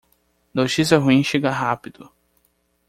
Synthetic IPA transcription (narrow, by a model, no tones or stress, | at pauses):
not͡ʃisjɐɦuĩʃeɡɐɦapid̪̥ʊ